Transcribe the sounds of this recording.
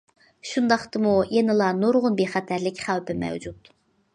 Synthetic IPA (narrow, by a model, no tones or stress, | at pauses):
ʃund̪ɑχt̪ɨmujenɨlˠɑnoɾʁʊnbeχæt̪ʰæɾlɪkʲχæwpɪmɛ̰wd͡ʒut̪